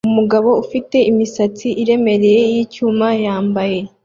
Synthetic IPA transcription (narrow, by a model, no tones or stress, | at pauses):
umuɡaβo̞ufite̞ʔimisat͡siʔiɾe̞me̞ɾe̞je̞jiːcuːmajaːmbaje̞